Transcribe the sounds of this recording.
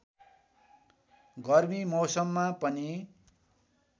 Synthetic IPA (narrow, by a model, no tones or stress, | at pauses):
ɡʌrmimʌwsʌmːapʌni